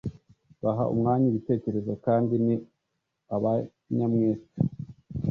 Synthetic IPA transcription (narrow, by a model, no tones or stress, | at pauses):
βaɦa̰ʔṵmŋaːɲiβite̞ːce̞ɾe̞zokaːndini | aβa | ɲamŋeːsa